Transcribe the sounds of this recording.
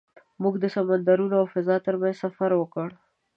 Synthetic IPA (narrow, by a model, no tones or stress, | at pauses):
muɡd̪əsamand̪aɾunoawfazɑt̪əɾmanzsafaɾwəkəɽ